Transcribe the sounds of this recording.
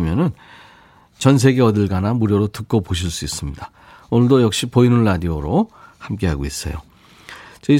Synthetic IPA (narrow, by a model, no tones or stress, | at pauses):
mjʌnɯn | t͡ɕʌns̬ʰe̞ɡe̞ʌdɯɭɡanamuɾjʌɾotɯk̚k͈opoɕ̬ʰiɭs͈uis͈ɯmɲida | onɭdojʌk̚ɕ͈ipoinɯnːadioɾohamk͈e̞ɦaɡois͈ʌ̰jo̰ | t͡ɕʌi